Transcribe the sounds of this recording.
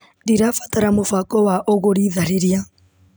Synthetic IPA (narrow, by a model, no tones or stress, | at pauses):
diɾafḁtaɾamofakɔwaʔoɣoɾiːðaɾeɾia